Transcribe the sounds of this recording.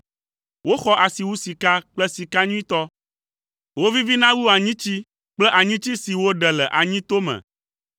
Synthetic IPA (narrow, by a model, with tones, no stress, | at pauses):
wo˦xɔ˦ʔa˨si˨wu˦si˨ka˦k͡plɛ˦si˨ka˦ɲũ˦ĩ˦t̪ɔ˦ | wo˦vi˦vi˦nã˦wu˦a˨ɲĩ˦t͡ɕi˦ | k͡plɛ˦ʔa˨ɲĩ˦t͡ɕi˦si˨wo˦ɖɛ˨lɛ˨ʔa˨ɲĩ˦t̪o˦mɛ̰̃˨